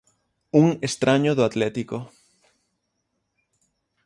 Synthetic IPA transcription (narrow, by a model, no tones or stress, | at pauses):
uŋest̪ɾʔaɲoðoat̪let̪iko